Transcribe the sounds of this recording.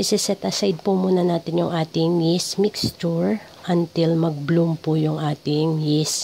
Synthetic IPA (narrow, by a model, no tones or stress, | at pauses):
ɪsɛsɛt̪ʔɐsajd̪̚pʊmuːnɐnaːt̪ɪnjʊŋʔaːt̪ɪŋjɪsmɪkst͡ʃʊɹ | ʔɐnt̪ɪlmɐɡ̚blumpʊjʊŋʔaːt̪ɪŋjɪs